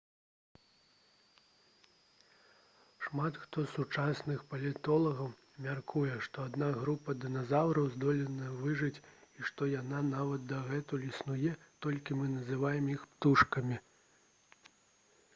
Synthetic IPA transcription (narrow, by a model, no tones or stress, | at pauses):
ʂmat̪xt̪ɔsut͡ʂasnɨxpɐlʲit̪ɔlˠɐɣɐw | mʲarkʰujɛʂt̪ɔad̪naɣɾupɐd̪ɨnazawɾɐwzd̪ɔlʲɛnɐvɨʐɨt͡sʲiʂt̪ɔjananavɐd̪̚d̪ɐɣɛt̪ulʲisnujɛt̪ɔlʲkʲimɨnɐzɨvajɛmjixpt̪uʂkɐmʲi